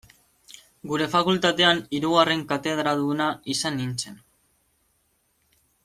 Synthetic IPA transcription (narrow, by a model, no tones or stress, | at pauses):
ɡuɾe̞fakult̪at̪e̞aniɾuɣare̞ŋkat̪e̞ð̞ɾaðunaisanint͡se̞n